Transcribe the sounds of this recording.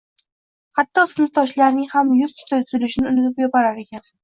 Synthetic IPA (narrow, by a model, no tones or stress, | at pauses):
hat̪ʰːɒsɪnɪt̪ɒʃlaɾnɪŋhamjʊzt̪ʰʊ̥t̪ʰat̪ʰzɪlɪʃnɪʊnɪt̪ɪpjɒpaɾaɾe̞kʲʰan